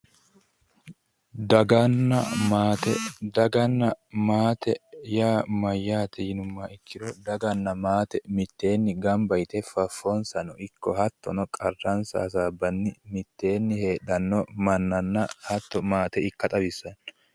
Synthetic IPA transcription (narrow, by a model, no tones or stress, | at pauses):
d̪ɐɡɐnːɐmaːt̪ɛd̪ɐɡɐnːɐmaːt̪ɛjaːmɐjːaːt̪ʰɛjɪnʊmːaɪkːɪd̪ɔd̪ɐɡɐnːɐmaːt̪ɛmɪt̪ːe̞ːnːɪɡɐmbɐjt̪ɛfɐfːɔnsɐnɔʔɪkːɔhɐt̪ːɔnɔkʼɐrːɐnsa̰ːs̬aːbːɐnːɪmɪt̪ːe̞ːnːɪhe̞ːɗɐnːɔmɐnːɐnːɐhɐt̪ːɔmaːt̪ɛɪkːɐt̪ʼɐbɪsːɐn